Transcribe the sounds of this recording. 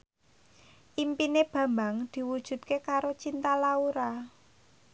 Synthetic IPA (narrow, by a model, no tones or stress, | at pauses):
ʔimpineb̥ä̤mbaŋd̪̥i̤wud̥ʒ̥ṳd̪̚kekaɾot͡ʃint̪alauɾa